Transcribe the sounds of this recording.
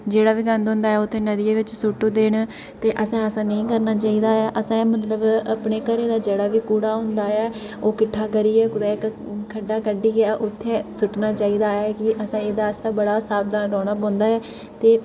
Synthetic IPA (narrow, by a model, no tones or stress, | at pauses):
d͡ʒeːɽaːʋiːkə̃nd̪ɦõːnd̪aːɦɛːʊt̪ʰːẽːnəd̪ɪjeːʋɪt͡ʃsʊʈːoːd̪eːɳ | t̪eːʔəsãːəsãːnəĩːkəɾnaːt͡ʃaːiːd̪aːɛːʔəsãːmət̪̬ləbəpɳeːkəɾeːd̪aːd͡ʒeːɽaːʋiːkuːɽaːɦʊ̃nd̪aːɛː | oːkɪʈʰːaːkəɾiːɛːkʊd̪aːk | kʰəɖːaːkəɖiːɡaːʔʊt̪ʰːẽːsʊʈnaːt͡ʃaːiːd̪aːɛːkɪʔəsãːeːd̪aːsaːbəɽaːsaːb̚d̪aːnɾɔːɽ̃aːpɔ̃ːnd̪aːɛː | t̪eː